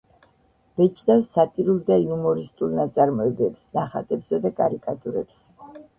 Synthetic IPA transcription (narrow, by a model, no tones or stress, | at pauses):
b̥ɛt͡ʃʰʼd̪asat̪ʼiɾulˠd̪aiumɔɾist̪ʼulˠnat̪sʼaɾmɔɛbɛpsnaχa̰t̪ʼɛpsad̪akʼaɾikʼat̪ʼuɾɛ̰ps